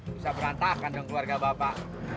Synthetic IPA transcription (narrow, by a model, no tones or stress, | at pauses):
bisabəɾant̪akandɔŋkluarɡabapaʔ